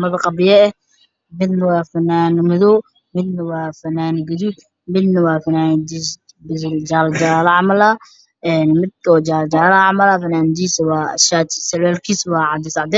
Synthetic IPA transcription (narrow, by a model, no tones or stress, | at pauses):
mɐðɐqɑbɪjɐɛ | mɪd̪nɐwɑːfɐnːaːnmɪðɔ | mɪd̪nɐwɑːfɐnaːnɡɪdu | mɪd̪nɐwɑːfɐnaːnd̪is | bɪld͡ʒaːld͡ʒaːlɐʕɑmɐla | ɛnmɪd̪̚kɔd͡ʒaːld͡ʒaːlɐʕɑmɐlafɐnaːnd̪iːsɐwa̰ːʃaːt̪sɐlɛːlkʰiːswɑːʕɑd̪ɪsɑʕd̪ɛ